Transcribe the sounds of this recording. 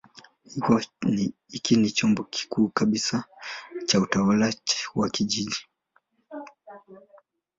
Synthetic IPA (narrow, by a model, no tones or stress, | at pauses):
hi | ikinit͡ʃɔmbɔki̥kʰuːkaɓisat͡ʃautawalawakiʄiʄi